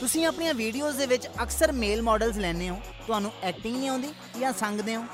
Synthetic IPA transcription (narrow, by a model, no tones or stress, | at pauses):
t̪ʊsĩːaːpɳijãːʋiːɖioːzd̪eːʋɪt͡ʃəksəɾmeːlmɔːɖəlzlɛːneːõː | t̪ʊɦaːnũːɛːk̚ʈɪ̃ŋɡnĩːãːnd̪iː | jãːsə̃ŋɡd̪eːõː